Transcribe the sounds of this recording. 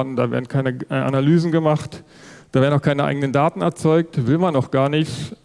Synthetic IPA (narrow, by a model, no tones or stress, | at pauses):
dn̩d̥aːvḛɐdn̩kʰaɪnəʔa̰nalyːzn̩ɡəmaχt | d̥aːveːʁdn̩aʊkʰaɪnəʔa̰ɪɡənəndaːtn̩ɛ̰ɐt͡sɔʏk̚tvɪlmanaʊxɡ̥aːɐnɪçt